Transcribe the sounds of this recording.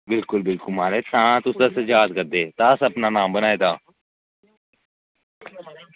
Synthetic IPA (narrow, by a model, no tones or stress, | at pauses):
bɪlkʊlbɪlkʊlmaːɾeːt̪ãːt̪ʊsd̪aːsəd͡ʒaːd̪̚kəɾd̪eːt̪aːəsəpnaːnaːmbənaːeːd̪aː